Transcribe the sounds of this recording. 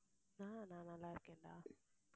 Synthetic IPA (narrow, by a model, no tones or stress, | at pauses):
naːnaːnalːaːɪɾɯkːeːɳɖa̰ː